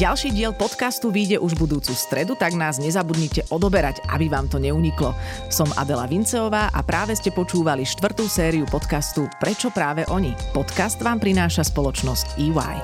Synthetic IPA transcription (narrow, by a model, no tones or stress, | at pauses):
ɟalʃiːɟɪɛlpɔt̪kast̪uʋiːɟɛʔuʒbud̪uːt͡sust̪ɾɛd̪ut̪aɡnaːzɲɛzabud̪ɲicɛʔɔd̪ɔbɛɾaɟa̰biʋaːmt̪ɔɲɛuɲiklɔsɔmʔa̰d̪ɛla̰ʋint͡sɛɔʋaːʔa̰pɾʔaːʋɛscɛpɔt͡ʃuːʋaliʃt̪ʋr̩t̪uːsɛːɾiupɔt̪kast̪upɾɛt͡ʃɔpɾaːʋɛʔɔɲipɔt̪kast̪ʋaːmpɾinaːʃaspɔlɔt͡ʃnɔsciːwa̰j